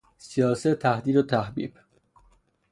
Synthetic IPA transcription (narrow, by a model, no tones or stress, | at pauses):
sijɒːset̪ʰːæhd̪iːd̪ot̪ʰæhbḭːb